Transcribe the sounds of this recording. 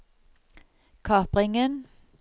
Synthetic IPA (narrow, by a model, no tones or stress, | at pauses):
kʰɑːpʁɪŋən